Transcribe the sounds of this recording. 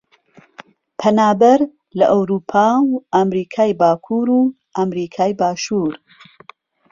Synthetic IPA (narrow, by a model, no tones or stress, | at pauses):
pʰɐnaːbɐɾ | lɐʔɐwɾuːpʰaːwʔamɾiːkʰaːjbaːkʰuːɾuː | ʔamɾiːkʰaːjbaːʃuːɾ